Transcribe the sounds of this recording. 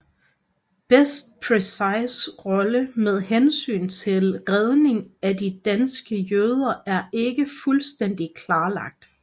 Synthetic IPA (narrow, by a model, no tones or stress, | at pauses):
b̥esd̥̚pʰʁesɑ̈ɪsʁɒ̽ləmeð̞ˠhensy̰ːnt͡sʰe̝lʁeð̞ˠne̝ŋædid̥ænsɡ̥əjøːð̞ˠɐʔæɐʔe̝ɡ̥əfulsd̥en̰d̥ikʰlɑ̈ːlɑ̈ɡ̥̚d̥